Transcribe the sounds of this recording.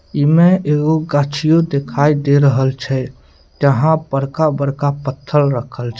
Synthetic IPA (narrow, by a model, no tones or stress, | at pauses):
imeʔeɡoɡat͡ʃʰijod̪ekʰaid̪eɾəɦəlt͡ʃʰɛ | d͡ʒəɦãpəɾkabəɾkapət̪ʰːəlɾəkʰəlt͡ʃʰɛ